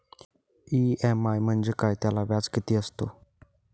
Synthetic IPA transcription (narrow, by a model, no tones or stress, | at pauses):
iɛmajm̤əɳd͡zekajt̪jalaʋjad͡zkit̪iːəst̪o